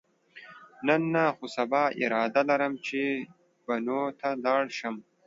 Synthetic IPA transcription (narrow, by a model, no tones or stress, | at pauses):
nɐnːaxusɐbɑːḭɾɑːd̪alɐɾəmt͡ʃʰe | b̥ɐnoːt̪ʰalɑːɽʃɐm